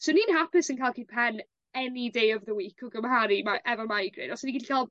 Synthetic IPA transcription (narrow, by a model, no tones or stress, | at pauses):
soniːnɦapɪsənkʰaːlˠkʰiːd̚pʰɛn | ɛnidejɔvðəwiːkʰɔɡəmhaɾimaʔɛvɔmajɡrɪ̰dɔsniɡiːdi̥kʰaːlˠ